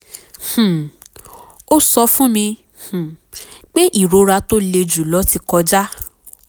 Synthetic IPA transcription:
h̩˨ | o˦sɔ˧fũ˦mĩ˧ | h̩˨k͡pe˦ʔi˦˨ɾo˧ɾa˧to˦le˧d͡ʒu˨lɔ˨˦ti˧kɔ˧d͡ʒa˦

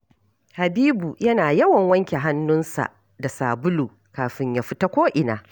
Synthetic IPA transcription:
ha˨biː˦bu˨jɐ˦naː˨jɐ˦wɐ˨ŋwɐ˦ŋkʲe˨ɦa˦nːʊ˦nsa̰˨ʔ | da˨saː˨bʊ˦luː˨ | kaː˨ɸɪ˦ɲja˨ɸɪ˦ta˦kʷoː˦ʔɪ˨naː˨

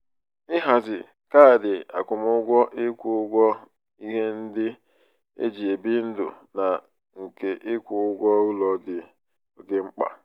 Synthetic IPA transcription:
ɪ˦ɦa˨zɪ̰˨ | ka˦a˨dɪ˨a̰˨kʷʊ˨mʊ˦ɡʷɔ˦ʔɪ˦kʷʊ˦ʊ˦ɡʷɔ˦ | i˦ɦe˦n̩˦dɪ˦ | ḛ˦d͡ʒi˨e˨bi˦n̩˦dʊ̰˨ | na˨ | ŋ̩˨ke˨ʔɪ˦kʷʊ˨ʊ˦ɡʷɔ˦u˦lɔ˨dɪ˨ | o˨ɡe˨ŋ͡m̩˦k͡pa̰˨

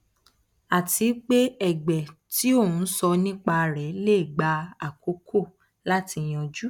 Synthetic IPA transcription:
a˨ti˨˦k͡pe˦ɛ˦˨ɡ͡bɛ˨ti˨˦o˦˨ũ˨˦sɔ˧nĩ˦k͡pa˧˨ɾɛ˨˦le˦˨ɡ͡ba˧a˨ko˨˧˦kʰo˦˨ | la˦ti˧j̃ɔ̃˧d͡ʒu˦

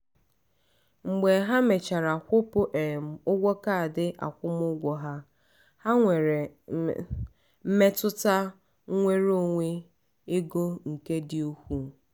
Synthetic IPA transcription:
ŋ͡m̩˨ɡ͡be˨ɦa˦me˨t͡ʃa˨ɾa˨kʷʊ˦pʊ˦ʔe˨m̩˨ʊ˦ɡʷɔ˦ka˦a˨dɪ˦ʔa̰˨kʷʊ˦m˦ʊ˦ɡʷɔ˨ɦa˦ | ha˦ŋʷe˨ɾe˨ | m̩˦me˦tʊ˦ta˦ | ŋʷe˦ɾo˦˨ŋʷe˦ | e˦ɡo˦ŋ̩˨ke˦dɪ˦o˦hʷu˦

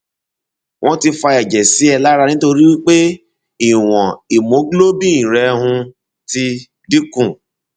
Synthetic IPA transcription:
wʔɔ̃˦ti˧fa˧ɛ˨d͡ʒɛ˨si˨˦ɛ˧la˦ɾa˧nĩ˦to˧ɾi˦wi˦k͡pe˦ | i˨w̃ɔ̃˨i˨mo˨˦ɡlo˦bĩ˦˨ĩ˨ɾɛ˧ɦũ˧ | ti˧ | di˦kũ˦˨

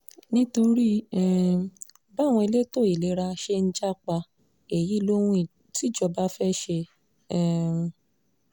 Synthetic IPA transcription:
nĩ˦to˧ɾi˦ɛ˨ | ba˦˨w̃ɔ̃˧e˧le˦to˦˨i˨le˨˦ɾa˧ʃe˧n̩˦d͡ʒa˦k͡pa˧ | e˨ji˨˦˨lo˦w̃ũ˦i˨ | ti˦˨d͡ʒɔ˧ba˦fɛ˦ʃe˧ | ɛ˦˨˧

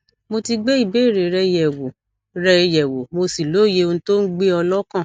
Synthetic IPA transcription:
mo˧ti˧ɡ͡be˦i˦˨be˨˦˨ɾe˨ɾɛ˧jɛ˨wo˨ | ɾɛ˧jɛ˨wo˨mo˧si˨lo˨˦˨je˧o˧nũ˧˦to˦n̩˦ɡ͡be˦ɔ˧lɔ˦kã˦˨

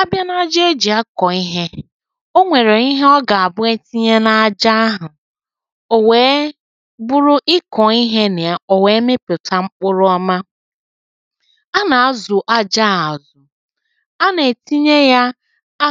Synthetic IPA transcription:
a˦bja˦na˦a˦d͡ʒe˦d͡ʒi˨a˦kɔ˨i˦ɦe˦ | o˦ŋʷe˨ɾe˨i˦ɦe˦ɔ˦ɡa˨a˨bʊ˦e˦ti˦ɲe˦na˦a˨d͡ʒa˦a˦ɦʊ˨ | o˨weː˨˦ | bʊ˦ɾʊ˦ʔɪ˦kɔ˨i˦ɦe˦ne˨a˦o˨we˨˦mɪ˦pʊ˨ta˦ŋ͡m̩˦k͡pʊ˦ɾʊ˦ɔ˦ma˦ | a˦na˨a˦zʊ˨ʔa˦d͡ʒa˦˨a˨zʊ˨ | a˦ne˨ti˦ɲe˦ja˦

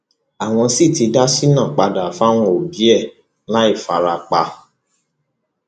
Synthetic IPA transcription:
a˨w̃ɔ̃˧si˦˨ti˧da˦si˦nã˦˨k͡pa˧da˨fa˦w̃ɔ̃˧o˨bi˨˦ɛ˦˨ | la˦i˦˨fa̰˨ɾa˧k͡pa˧

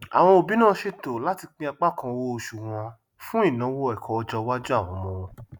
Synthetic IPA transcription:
a̰˨w̃ɔ̃˧o˨bi˨˦nãː˦ʃe˧to˨la˦ti˧k͡pĩ˦a˧k͡pa˦kã˧wo˦o˧ʃu˨w̃ɔ̃˧ | fũ˦i˦˨nã˨˦wo˦ɛ˨kʰɔ˨ɔ˧d͡ʒɔ˧wa˦d͡ʒo˦a˦˨w̃ɔ̃˨˧mɔ̃˧wɔ̃˧

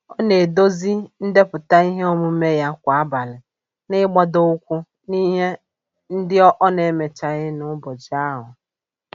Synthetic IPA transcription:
ɔ˦ne˨do˦zi˦n̩˦de˦pʊ˨ta˦i˦ɦe˦o˦mʊ˦me˦ja˦kʷa˨a˦ba˨lɪ˨ | nɪ˦ɡ͡ba˦do˦ʊ˦kʷʊ˦ | ni˦ɦe˦ | n̩˦dɪ˦ɔ˦ʔɔ˦ne˨˦me˨t͡ʃa˨ɣɪ˦nʊ˨˦bɔ˨d͡ʒa˦ɦʊ˨

